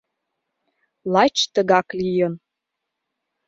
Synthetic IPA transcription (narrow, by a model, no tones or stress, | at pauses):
lˠɑt͡ɕt̪əɣɑklijən